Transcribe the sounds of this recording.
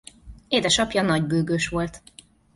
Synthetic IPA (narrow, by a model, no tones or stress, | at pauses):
eːd̪ɛʃɒpjɒnɒɟbøːɡøːʃʋo̞lt̪